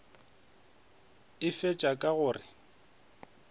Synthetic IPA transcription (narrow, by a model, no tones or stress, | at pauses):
ɪfɛt͡ʃʼakʼaɣʊːrɪ